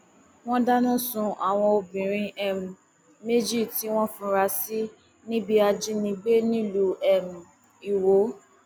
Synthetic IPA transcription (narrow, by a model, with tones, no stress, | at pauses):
w̃ɔ̃˦da˦nũ˦˨sũ˧ʔa˨w̃ɔ̃˧o˧bĩ˨ɾ̃ĩ˧ʔɛ˦˨m̩˨ | me˦d͡ʒi˦˨ti˨˦w̃ɔ̃˦fũ˧˦ɾa˧si˦ | nĩ˦bi˧a˧d͡ʒi˦nĩ˧ɡ͡be˦nĩ˦lu˨˦ɛ˨mũ˨ | i˨wo˨˦